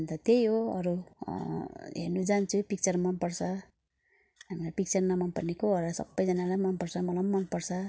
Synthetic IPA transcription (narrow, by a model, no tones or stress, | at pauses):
nt̪ʌt̪ejɦoʌ̰ɾu | ɦḛrnud͡zant͡sʰupik̚t͡sʌrmʌnpʌrt͡sʰʌ | ɦamilapik̚t͡sʌrnʌmʌnpʌrnekoʌɾʌsʌ̰bːʌjd͡zʌnalajmʌnpʌrt͡sʰʌmʌlʌmːʌnpʌrt͡sʰʌ